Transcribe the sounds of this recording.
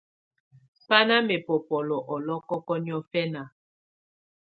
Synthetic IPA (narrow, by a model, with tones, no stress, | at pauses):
pa˦na˦me˨pɔ˨pɔ˨lɔ˨ʔɔ˨lɔ˦kɔ˦kɔ˦ni˦ɔ˦fɛ˦na˨